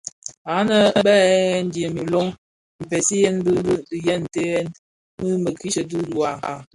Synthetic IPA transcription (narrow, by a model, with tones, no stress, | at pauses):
a˨˦nə˦ə˦bɛ˦n̩˦di˨e˨mi˨lɔ˦ŋ | m̩˨pɛ˨si˦jɛ˦nbjɛ˦n˨te˦n | mɨ˦mə˨ki˦t͡ʃə˨du˦du˨a˨ka̰˦˨